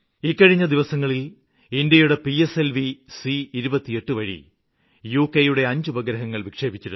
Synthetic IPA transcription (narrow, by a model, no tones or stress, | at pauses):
ikːɐɻiɲːɐd̪iʋɐsɐŋːɐɭil | ind̪jɐjuɽe̞pieselʋisiːɾubɐt̪ːije̞ʈːɨʋɐɻḭ | juːkːejuɽe̞ɐɲd͡ʑubɐɡɾɐɦɐŋːɐɭʋikʂe̞ːbit͡ɕːɐɾṵ